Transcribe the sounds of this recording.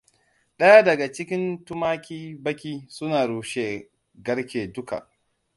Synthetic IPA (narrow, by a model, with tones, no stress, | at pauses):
ɗɐ˦ja˦dɐ˨ɡa˨t͡ʃɪ˦kʲɪ˦ntʊ˦maː˦kʲiː˦bɐ˦kʲiː˦sʊ˦naː˨ɽuː˨ʃeː˦ | ɡɐ˦ɽkʲeː˨dʊ˦ka̰˨